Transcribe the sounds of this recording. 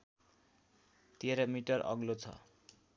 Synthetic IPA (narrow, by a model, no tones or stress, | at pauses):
t̪ieɾʌmiʈʌrʔʌ̰ɡlot͡sʰʌ̰